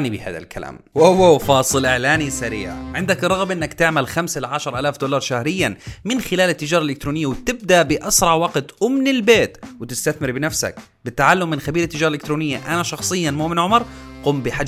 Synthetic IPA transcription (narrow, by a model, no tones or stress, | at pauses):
ʕnibɪha̰ːða̰lkʰala̰ːmwowawfɑːsˤɨlʔɪʕlaːnisaɾḭːʕʕɪnd̪akrˤːɑɣbʔɪnːakt̪ɪʕmalxamsalʕaʃɑɾˤʔalaːfd̪oːlɑɾˤʃahɾɪjːanmɪnxɪlaːlɪt̪ːɪd͡ʒɑːɾˤɑʔɪlɪk̚t̪ɾuːnɪjːawt̪ɪb̚d̪aʔbɪʔɑsɾˤɑʕwɑqt̪ʔʊmnɪlbeːt̪wɪt̪ɪst̪aθmɪɾbɪnafsa̰k̚ | bɪt̪ːaʕalːʊmːɪnxabiːɾɪt̪ːɪd͡ʒɑːɾɑlɪkt̪ɾuːnɪjːaʔanaʃɑxsˤɨjːanmuːʔmɪnʕʊmɑɾˤquːmbɪħa